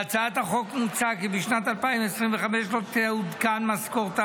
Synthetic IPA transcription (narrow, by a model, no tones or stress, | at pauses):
at͡saat̪haχo̞kmut͡sakibiʃnat̪alpaimesʁimveχameʃlot̪eud̪kanmaskoʁt̪a